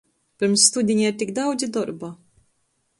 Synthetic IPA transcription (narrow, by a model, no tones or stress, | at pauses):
pɛɾmst̪ud̪inɛɾt̪ikd̪ɐwd͡ʒid̪ɔɾbɐ